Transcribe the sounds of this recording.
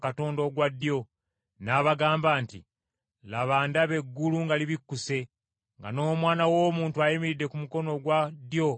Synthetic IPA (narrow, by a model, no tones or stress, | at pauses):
kato̞ːndo̞ːɡwadːjo̞ | naːβaɡaːmbaːntḭ | laβaːndaβe̞ɡːuluŋɡaliβikːuse̞ | ŋɡa̰no̞ːmwaːnawo̞ːmuːntuajimiɾidːe̞kumuko̞no̞ɡwadjo̞